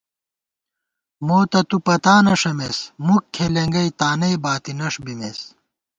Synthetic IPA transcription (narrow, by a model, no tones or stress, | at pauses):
moːt̪ɐt̪upɐt̪aːnɐʂɐmesmukʰːeleŋɡɐjt̪aːnɐjbaːt̪inɐʂbimeːs